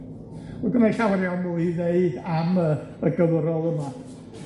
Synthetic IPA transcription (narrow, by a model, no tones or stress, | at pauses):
əɡəmaɬawɾjɔnmuineɨdaməəɡəwəɾɔlˠəma